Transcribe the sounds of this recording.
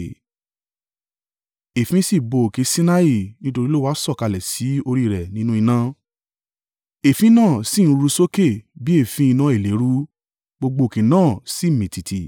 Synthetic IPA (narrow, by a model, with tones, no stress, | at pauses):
e˨fĩ˦si˦˨bo˨ke˨˧˦sĩ˦na˦i˦˨nĩ˦to˧ɾi˦lo˦wa˦sɔ˦˨ka˧lɛ˨si˨˦o˧ɾi˦˨ɾɛ˨nĩ˨˦nũ˦i˧nã˧ | e˨fĩ˧˦nãː˦˨sĩ˦˨˦ɾu˧so˦ke˦˨bi˨˦e˦˨fĩ˧˦i˧nã˧˦e˨le˨˦ɾu˦ | ɡ͡bo˧ɡ͡bo˧˨kẽ˨˦nãː˦˨si˦˨mĩ˨ti˨tʰi˨